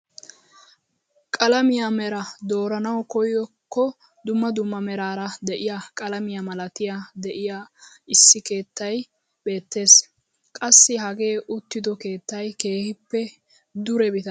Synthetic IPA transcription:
kʼɐlɐmɪjamɛɾɐd̪o̞ːɾɐnɐwkɔjɔkːɔ | d̪ʊmːɐd̪ʊmːɐmɛɾaːɾɐd̪ɛʔɪjakʼɐlɐmɪjɐmɐlɐt̪ɪjad̪ɛʔɪjaɪsːɪke̞ːt̪ːɐj | be̞ːt̪ːe̞ːs | kʼɐsːɪɦɐɡe̞ːʔʊt̪ːɪd̪ɔke̞ːt̪ːɐjke̞ːhɪpːɛ | d̪ʊɾɛbɪt̪ɐ

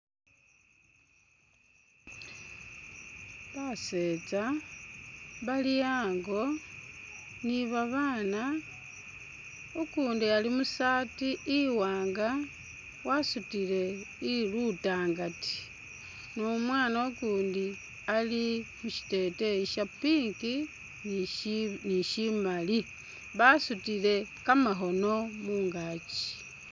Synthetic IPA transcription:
βase̞ːt͡sa | βaliaːŋɡo̞ | niβaβaːna | ukuːndialimusaːtiʔiwaːŋɡa | wasutile̞ | ilutaːŋɡati̥ | nomwaːnaokuːndi | alimuʃi̥te̞teiʃapiːŋki | n | niʃimali | βasutile̞kamaxo̞no̞muːŋɡaːt͡ʃi̥

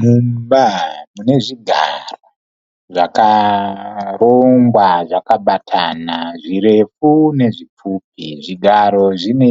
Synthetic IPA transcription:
mumbamune̞ʐiɡʱaro | ʐaka | roŋɡwaʐakaɓatʰanaʐire̞fune̞ʐip͡fuːp̚iʐiɡʱaɾo̞ʐine

